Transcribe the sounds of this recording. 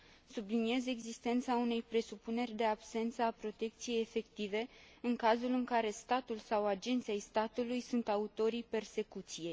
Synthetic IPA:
sublinie̞ze̞ɡzist̪e̞nt̪saune̞jpɾe̞supune̞rʲd̪e̞abse̞nt̪səapɾo̞t̪e̞k̚t̪sije̞jefe̞kt̪ive̞ | ɨŋkazulɨŋkaɾe̞st̪at̪ulsawad͡ʒe̞nt̪sʲejst̪at̪ulujsunt̪aut̪o̞ɾijpe̞rse̞kut̪sije̞j

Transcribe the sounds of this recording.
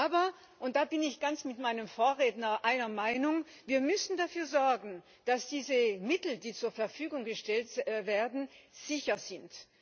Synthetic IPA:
ʔʔaːbɐ | ʔʊnt̚d̥aːbɪnɪçɡ̥ant͡smɪtmaɪnəmfoːɐʁeːdnɐʔaɪnɐmaɪnʊŋ | viːɐmʏsn̩dafyːɐzɔɐɡn̩ | d̥asd̥iːzəmɪtl̩diːt͡suːɐfɛɐfyːɡʊŋɡəʃtɛltveːɐdn̩z̥ɪçɐz̥ɪnt

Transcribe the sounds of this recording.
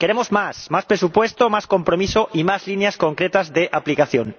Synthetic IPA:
ke̞ɾemozmasmaspɾesupwe̞st̪omaskompɾomisoʔimazlinjaskoŋkɾet̪azðeʔaplikaθjo̰ŋ

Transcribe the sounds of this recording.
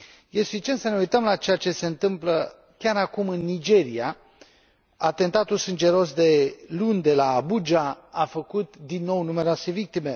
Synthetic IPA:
jesfit͡ʃe̞nt̪səne̞ujt̪əmlat͡ʃe̞jat͡ʃe̞se̞ɨnt̪ɨmplə | kʲaɾakumɨnːid͡ʒe̞ɾia | at̪e̞nt̪at̪ulsɨnd͡ʒe̞ɾo̞sd̪e̞lund̪e̞laːbud͡ʒa | afəkut̪d̪inːo̞wnume̞ɾase̞vik̚t̪ime̞

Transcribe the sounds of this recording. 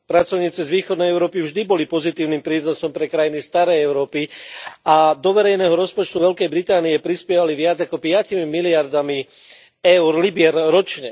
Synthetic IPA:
pɾat͡sɔʊɲiːt͡sizʋiːxɔd̪nɛjɛʊɾɔːpivʒd̪ibɔlipɔzit̪iːʊniːmpɾiːnɔsɔmpɾɛkɾajinist̪aɾɛjɛʊɾɔːpiad̪ɔʋɛɾɛjnɛːɦɔɾɔspɔt͡ʃt̪uʋɛlkɛjbɾit̪aːniɛpɾispɪjɛʋaliʋɪad͡zakɔpɪacimimilɪaɾd̪ami | ɛʊɾlibɪɛɾɾɔt͡ʃɲɛ

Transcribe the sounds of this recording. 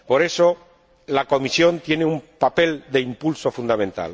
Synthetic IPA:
po̞ɾe̞so | lako̞misjõ̞nt̪je̞neumpape̞ld̪e̞impulso̞fund̪amẽnt̪a̰l

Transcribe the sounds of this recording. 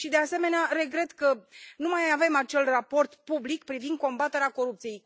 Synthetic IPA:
ʃid̪e̞ase̞me̞neaɾe̞ɡɾe̞t̪kənumajave̞mat͡ʃe̞lrapo̞rt̪publikpɾivind̪̚ko̞mbat̪e̞ɾeako̞ɾup̚t̪sije̞j

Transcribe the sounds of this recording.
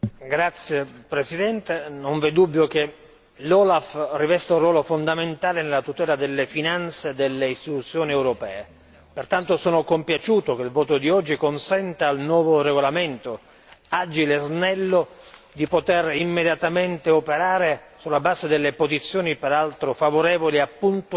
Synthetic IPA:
ɡɾat̪sːjepɾesid̪ɛnt̪enoɱvɛd̪ubːjok̟e | lɔːlafrivɛst̪aurwɔːlofond̪ament̪aːlenelːat̪ut̪ɛːlad̪elːefinant̪sed̪elːeist̪it̪ut̪sːjoːniɛwɾopɛːe | pert̪ant̪osoːnokompjat͡ʃuːt̪ok̟elvɔːt̪od̪iɔd͡ʒːikonsɛnt̪aːlnwɔːvoreɡolament̪o | ad͡ʒileznɛlːo | d̪ipot̪erimːed̪jat̪ament̪eopeɾaːɾesulːabaːzed̪elːepozit̪sːjoːnipeɾalt̪ɾofavoɾɛːvoliapːunt̪

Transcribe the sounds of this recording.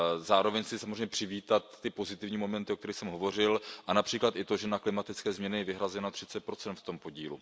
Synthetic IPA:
zaːɾo̞vɛɲsɪsamozreɲɛpr̝̥ɪviːt̪at̪ːɪpo̞zɪt̪ɪvɲiːmo̞mɛnt̪ɪʔok̚t̪ɛɾixsɛmɦo̞vo̞r̝ɪlʔanapr̝̥iːklat̪ʔɪt̪o̞ʒɛnaklɪmat̪ɪt͡skɛːzmɲɛnɪjɛvɪɦɾazɛnat̪r̥ɪt͡sɛt̪̚pɾo̞t͡sɛnt̪ft̪o̞m̚po̞ɟiːlṵ

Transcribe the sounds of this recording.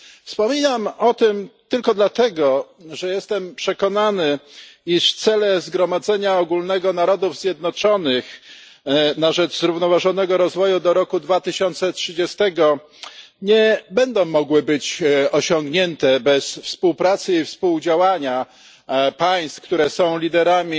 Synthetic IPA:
fspɔmʲinamɔt̪ɘmt̪ɘlkɔd̪lat̪ɛɡɔ | ʐɛjɛst̪ɛmpʂɛkɔnanɘiʂft̪sɛlɛzɡɾɔmad̪zɛɲaɔɡulnɛɡɔnaɾɔd̪uvzʲjɛd̪̚nɔt͡ʂɔnɘx | naʐɛd͡ʐzɾuvnɔvaʐɔnɛɡɔɾɔzvɔjud̪ɔɾɔkud̪vat̪ɘɕɔnt̪sɛtʂɘd͡ʑɛst̪ɛɡɔ | ɲɛbɛnd̪ɔ̃w̃mːɔɡwɘbɘt͡ɕɔɕɔŋɡɲɛnt̪ɛbɛsfspuwpɾat̪sɘifspuwd͡ʑawaɲa | paj̃st̪kt̪uɾɛsɔ̃w̃lʲid̪ɛɾamʲi

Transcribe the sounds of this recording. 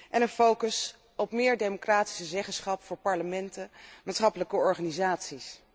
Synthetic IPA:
ʔɛnənfowkəs | ɔpmɪːɹdejmokraːti̥səzɛχəsχɑpfʊːɹpɑɹləmɛntəmaːtsχɑpələkəɔɹχaːnizaːtsis

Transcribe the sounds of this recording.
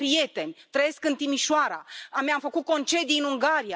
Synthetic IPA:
pɾije̞t̪e̞nʲt̪ɾəje̞skɨnt̪imiʃʊaɾa̰amjamfəkut̪̚ko̞nt͡ʃe̞d̪ijɨnuŋɡaɾia

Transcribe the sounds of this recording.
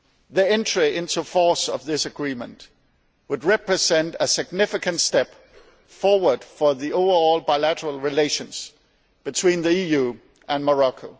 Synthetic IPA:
ðiɛ̃ntɹ̥iɪ̃ntufɔɹsʌvðɪsɨɡɹĩmə̃nʔ | wəd̚ɹɛpɹɨzɛ̃ntəsɨɡ̚nɪfɨkɨ̃ntstɛp | fɔɹwə˞d̥fə˞ðioʊvə˞ɔlˠbaɪlæɾə˞əl̩ˠɹɨleɪʃɨ̃nz̥ | b̥ɨtʰw̥ĩnðiijʉ | ʔə̃nmə˞ɑkʰoʊ

